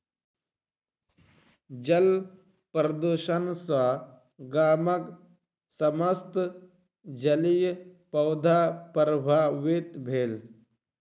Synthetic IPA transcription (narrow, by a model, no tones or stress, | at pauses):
d͡ʒɐl | pɾɐd̪uʃɐnsɐ | ɡaːmɐk | sɐmɐst̪ | d͡ʒɐlijpɐwd̪ʱaːpəɾbʱaːʋit̪bʱeːl